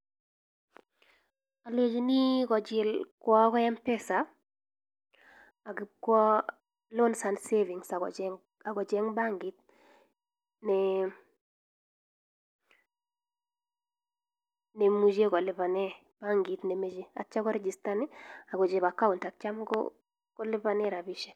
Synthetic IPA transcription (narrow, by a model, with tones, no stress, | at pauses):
a˨le˨d͡ʒi˦ni˦kɔ˨d͡ʒɪ˨lkwɔ˦kɔ˦ɛ˦mpɛ˦sa˨ | a˨ɡɪ˨kwɔ˦ | lo˦nsa˨ndse˦vi˨ŋsa˨ɡɔ̰˨d͡ʒɛ | a˨ɡɔ˨d͡ʒɛ˦ŋba˦ŋɡi˨˦t̪̚ | nɛ | ne˨mu˨d͡ʒe˦kɔ˨lɪ˨pa˨nɛ˦ | b̥a˦ŋɡi˨t̪ne˨me˨d͡ʒe˦a̰˨t͡ʃa˦kɔ˦ɾɛ˦d͡ʒi˨sta˦nɪ˦a˨ɡɔ˨d͡ʒe˨ba˨ka˦u˨nta˨k̚t͡ʃa˦mɡɔ̰˦ | kɔ˦lɪ˦pa˨nɛ˦ɾa˨bi˦ʃɛ˨